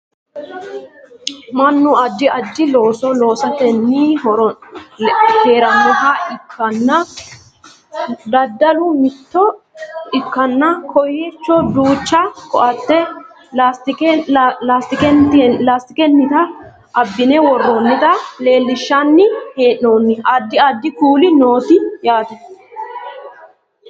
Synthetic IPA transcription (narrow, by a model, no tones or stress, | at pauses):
mɐnːʊɐd͡ʒːɪɐd͡ʒːɪloːsɔlo̞ːsɐt̪ɛnːɪɦɔɾ | heːɾɐmːɔɦɐɪkʰːɐnːɐ | d̪ɐd̪ːɐlʊmɪt̪ːɔ | ɪkːɐnːɐkʰɔjet͡ʃːɔd̪uːt͡ʃːɐkɔʔɐt̪ːɛ | last̪ɪklast̪ɪkɛt̪laːst̪ɪkɛnːɪt̪ɐ | ʔɐbːɪnɛwɔrːonːɪt̪ɐle̞ːlːɪʃːɐnːɪheːʔːoːnːɪɐd̪ːɪɐd̪ːɪkuːlɪnoːt̪ɪjaːt̪ɐ